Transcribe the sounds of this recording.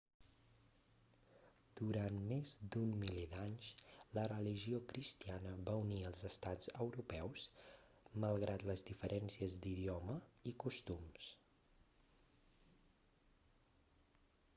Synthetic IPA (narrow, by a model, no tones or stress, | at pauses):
d̪̥uɾanmezd̪ummiled̪aɲslərəliʒiokɾist̪ianəβauniəlˠzəst̪ad͡zəwɾupɛws | məlˠɣɾat̪ləzdifəɾʔɛnsiəzd̪iðiɔməikust̪ums